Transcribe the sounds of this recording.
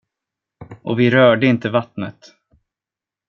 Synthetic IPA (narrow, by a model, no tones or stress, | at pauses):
ʔɔvɪɾœːɖəɪnt̪əvat̪nət̪